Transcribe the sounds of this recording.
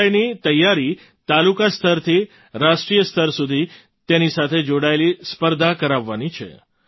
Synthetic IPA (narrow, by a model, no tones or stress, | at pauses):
jnit̪əjːaɾi | t̪alukast̪ʰəɾt̪ʰi | ɾaʃʈɾijəst̪ʰəɾsud̪ʱi | t̪enisat̪ʰed͡ʒoɽaelispəɾd̪ʱakəɾaʋːanit͡ʃʰḛ